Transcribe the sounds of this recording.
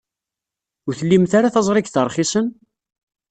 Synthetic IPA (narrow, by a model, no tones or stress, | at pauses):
ʊɾθəlːimθaɾaθɑzˤɾˤɪkθəɾˤχisən